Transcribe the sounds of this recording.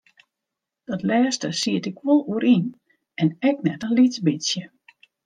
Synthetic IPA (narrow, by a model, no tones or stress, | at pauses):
d̥ɔtlɛːstəsiətɪkʋɔlˠuəɾʔin | ɛnɛk̚nɛtəlitbɪsjə